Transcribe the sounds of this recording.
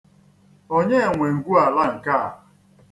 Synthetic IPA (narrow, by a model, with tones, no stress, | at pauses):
o˦ɲe˦e˨ŋʷe˨ŋ̩˨ɡu˦a˨la˦ŋ̩˨ka̰˦˨